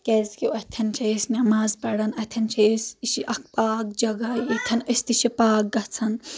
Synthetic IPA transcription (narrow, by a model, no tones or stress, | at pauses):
kʲezkiɐt̪ʰɐnt͡ʃʰɐsnɐmaːzpɐɽɐnɐt̪ʰɐnt͡ʃʰɐsiʃiʔɐk̚paːk̚d͡ʒɐɡɐjit̪ʰɐnɐst̪iʃipaːk̚ɡɐt͡sʰɐn